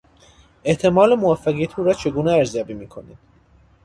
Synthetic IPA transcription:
e̞ht̪ʰe̞mɒːlemovæfːæɣiæt̪ʰuːɾɒːt͡ʃʰe̞ɡuːneæɾzijɒːbiːmiːkʰo̞̰nḭːd̪̥

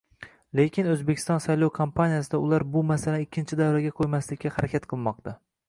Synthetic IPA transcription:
lekʲʰɪnɵzbekʲʰɪ̥st̪ɒnsajlˠɒwkʰompʰanijasɪd̪aʊlˠaɾbʊmasalanɪkʲʰːɪnt͡ʃʰɪd̪avɾaɡʲaqʰojmaslɪkʲːahaɾakʲʰat̪qʰɨlˠmɒq̚t̪a

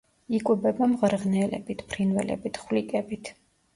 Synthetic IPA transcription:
ikʼwɛbɛbamʁɾʁnɛlɛ̰bit̪ʰpʰɾinvɛlɛ̰bit̪ʰχwlikʼɛbit̪ʰ

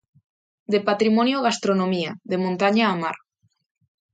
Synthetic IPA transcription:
d̪epat̪ɾimonjoɣ̞ast̪ɾonomiaðemõnt̪aɲaːma̰ɾ

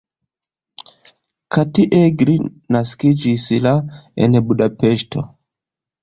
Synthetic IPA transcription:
katiʔɛɡɾi | naskid͡ʒisilaɛ̰nɛbuɗapɛʃtʰo̰

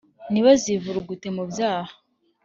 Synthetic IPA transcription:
niβazivuɾuɡute̞mubjaːha

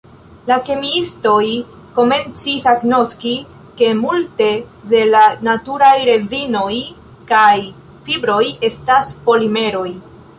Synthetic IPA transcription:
lake̞miisto̞j | ko̞me̞nt͡sisaɡno̞ski | ke̞multe̞de̞lanatuɾajɾe̞zino̞j | kaj | fibɾo̞je̞staspo̞lime̞ɾo̞j

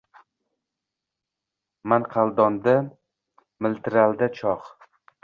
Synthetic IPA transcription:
manqʰalˠd̪ɒnd̪a | mɪlt̪ɾald̪at͡ʃʰɒq

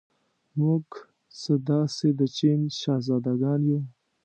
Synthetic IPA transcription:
muɡ | səd̪ɑsed̪ət͡ʃinʃɑzɑd̪aɡɑnju

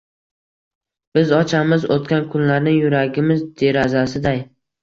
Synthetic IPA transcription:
b̥ɪzɒt͡ʃʰamɪzot̪kʲankʰʊnlaɾnɪŋjʊɾaɡʲɪmɪzd̪e̞ɾazasɪd̪aj

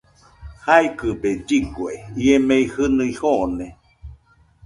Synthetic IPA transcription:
haikɨbed͡ʒiɡweiemeihɨnɯihone

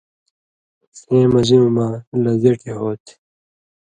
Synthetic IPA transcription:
sẽːmʌziũmaːlɐzeʈʰeɦoːt̪ʰ

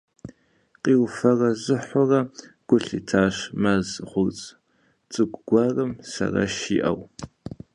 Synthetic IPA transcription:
qʼiːwfɐrɐzɨħʷʊrɐɡ̥ʷʊɬḭːtʰaːɕmɐzχʷʊrt͡sʼ | t͡sʼɨɡʷʼɡ̥ʷɑːrɐmsɐ̰rɐ̰ʃḭːʔɐw

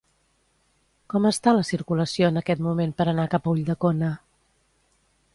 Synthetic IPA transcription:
kɔməst̪aləsiɾkuləsioənəkɛt̪mumempəɾənakapəuʎʲd̪əkonə

